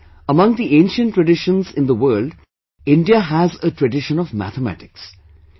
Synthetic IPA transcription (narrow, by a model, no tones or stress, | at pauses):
əmʌ̃ŋd̪iʔẽːnʃə̃nʈːɾəɖɪʃə̃nzɪ̃nd̪əwəːlɖ | ɪ̃ɳɖiəɦæzəʈɹəɖɪʃə̃nɔvmæ̰t̪əmæ̰ʈɪks